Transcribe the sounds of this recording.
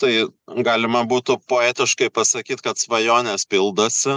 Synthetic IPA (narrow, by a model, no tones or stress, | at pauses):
t̪ɐɪɡɑːlʲɪmɐbuːt̪ʊpoːæːt̪ʲɪʃkɐɪpɐsɐkʲiːt̪kɐt̪sʋɐjoːnʲeːspʲɪlˠd̪oːsʲɪ